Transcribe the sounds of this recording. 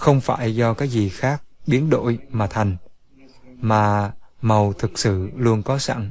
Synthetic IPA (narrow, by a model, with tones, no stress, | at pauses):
xə˧wŋ͡mfaː˧˩jzɔ˧kaː˨˦˥k̚zi˨˩xaː˦˥k̚ɓi˨˦ənɗo̰˧˨jmaː˨˩t̪ʰa˨˩jŋ̟ | maː˨˩mə˨˩wt̪ʰɨ˨˩k̚sɨ̰˧˨lu˧ənkɔ˨˦sa̰˧˩ŋ